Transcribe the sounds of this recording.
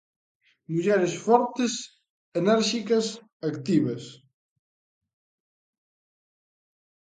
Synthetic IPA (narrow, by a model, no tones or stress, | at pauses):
muʎɛɾesfɔɾt̪ɪs | enɛɾʃikɐs | akt̪iβɐs